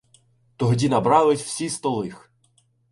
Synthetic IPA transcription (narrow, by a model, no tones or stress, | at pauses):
t̪ɔɦɔdʲinɐbɾɑlˠɪtʲw̥sʲist̪ɔlˠɪx